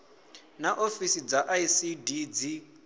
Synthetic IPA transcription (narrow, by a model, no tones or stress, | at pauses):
naʔofisid͡zaʔaisidid͡zi